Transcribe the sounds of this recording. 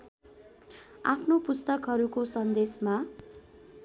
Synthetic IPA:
a̰pʰnopust̪ʌkɦʌɾukosʌnd̪esma

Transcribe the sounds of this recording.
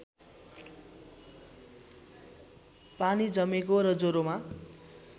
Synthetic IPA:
panid͡zʌmekoɾʌd͡zoɾoma

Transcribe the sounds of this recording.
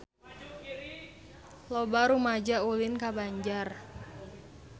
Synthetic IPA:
lobaɾumad͡ʒaulɪnkabaɲd͡ʒar

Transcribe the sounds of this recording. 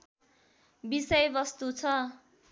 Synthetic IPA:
bisʌjbʌst̪ut͡sʰʌ

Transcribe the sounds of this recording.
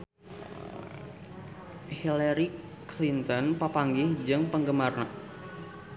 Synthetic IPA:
hilaɾi | klint̪ɔnpəpaŋɡɪhd͡ʒɨŋpəŋɡəmarna

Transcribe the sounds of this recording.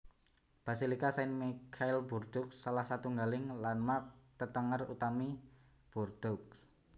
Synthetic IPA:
b̥asilikasaɪnmikʰaɪlburd̪̥ʊk̚salahsat̪uŋɡalɪŋlanmak̚t̪ət̪əŋərṵt̪ami | b̥urd̪̥ʊk̚

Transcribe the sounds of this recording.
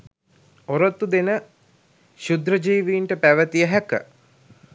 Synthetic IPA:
oɾot̪ːud̪enə | ʃud̪ɾəd͡ʒiːʋiːɳʈəpæʋət̪ijəɦækə̰

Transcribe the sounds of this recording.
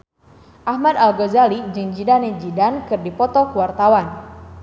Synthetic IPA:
ʔahmad̪alɡɔzalid͡ʒɨŋd͡ʒidaned͡ʒidankɨrdipɔt̪ɔkuwart̪awan

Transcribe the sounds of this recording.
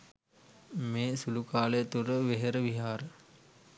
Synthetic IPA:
meːsulukaːləjət̪uɾəʋeɦeɾəʋiɦaːɾə

